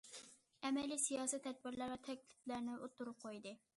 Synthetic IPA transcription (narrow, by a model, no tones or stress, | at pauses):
ɛmɛlːisijɑːsɛt̪ʰːɛd̪̚bɪɾlæɾvɛt̪ʰɛk̚ʲlɪ̥plæɾnɪʔot̪ːuɾʊp̚qʰojd̪ɨ